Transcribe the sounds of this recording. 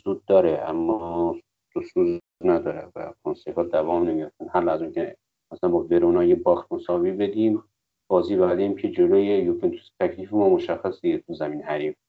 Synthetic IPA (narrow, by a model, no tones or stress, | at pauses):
z̥uːd̪̚ːɒːɾeʔæ̰mːɔː | d̪̥osuz | næd̪ɒːɾḛvæ̰kʰonsefɒːd̪ævɒːmnemijoft̪ænhælæzunkʲʰe | mæsææmbɔbeɾunɑːjebɒːxt̪mosɒːviːbe̞d̪iːm | b̥ɒːziːbæɾd̪eiːmcʰed͡ʒoloːjejokʰint̪ʰu̥st̪ʰækʰliːfemɒːmoʃæxːæsiet̪ʰuzæmiːnhæɾiːm